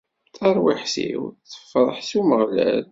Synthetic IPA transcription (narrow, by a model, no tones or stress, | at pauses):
θɑɾˤwiħsḭwθːə̥fːɾˤəħsuməʁlæ̰l